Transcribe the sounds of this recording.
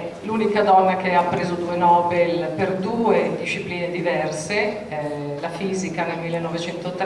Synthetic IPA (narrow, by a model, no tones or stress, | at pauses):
lunikad̪ɔnːakeapːɾeːzod̪uenɔːbelperd̪uːed̪iʃːipliːned̪ivɛrse | lafiːzikanelmilːenːɔvet͡ʃɛnt̪ot̪ɾ